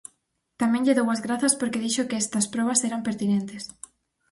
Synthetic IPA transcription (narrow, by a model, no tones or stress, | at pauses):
t̪amẽŋʎɪðowɐzɣɾaθɐspoɾkeðiʃokeɛst̪ɐspɾɔβ̞ɐseɾɐmpeɾt̪inẽnt̪es